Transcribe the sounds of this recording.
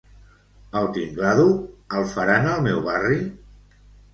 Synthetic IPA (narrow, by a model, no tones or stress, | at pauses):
əlˠt̪iŋɡlaðuəlˠfaɾanəlˠmɛwβari